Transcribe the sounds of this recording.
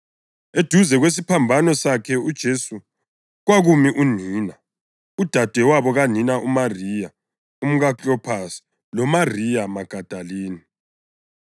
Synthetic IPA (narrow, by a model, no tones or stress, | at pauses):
ed̥ʱuzɛɣwes̬ipʰambʱanɔsakʰɛud̥ʒ̥ʱesu | ɣwaɣumiʔuniːna | ud̥ʱad̥ʱɛwaβɔɣaninaʔumarija | um̩ɣat͡ɬʼɔpʰasi̥ | lɔmarijamaɡ̥ʱad̥ʱaliːni